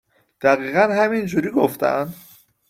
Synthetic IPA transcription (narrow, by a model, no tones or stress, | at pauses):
d̪̥æɣiːɣænhæmind͡ʒuːɾiːɡoft̪æ̰nd̪